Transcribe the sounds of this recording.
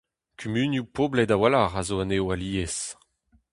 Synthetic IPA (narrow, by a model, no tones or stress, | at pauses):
kʰymynjupʰoblɛdawalaʁazoaneoaliːes